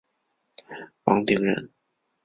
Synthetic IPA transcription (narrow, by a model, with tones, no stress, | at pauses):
wɑ̰˧˥ŋt̪i˧˥ŋɻə̰˧˥n